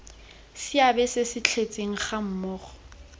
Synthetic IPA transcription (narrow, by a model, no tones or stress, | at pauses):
sɪabɛsɪsɪt͡ɬʰet͡sʼeŋ̩χam̩mɔːχɔ̥